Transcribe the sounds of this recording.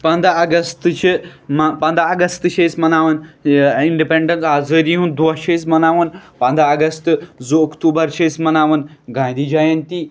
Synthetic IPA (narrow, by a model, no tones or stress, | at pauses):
pɐ̃nd̪ʱaɐɡɐst̪ɨt͡ʃimɐpɐnd̪ʱaːɡɐst̪ɨʃesmɐnaːʋɐniɳɖipẽɳɖɐnsaːzəɾiɦũnd̪oʃesmɐnaːʋənpɐnd̪ʱaɐɡɐst̪ɨzoɐkt̪uːbɐɾt͡ʃʰesmɐnaːʋɐnɡãnd̪id͡ʒajɐnt̪i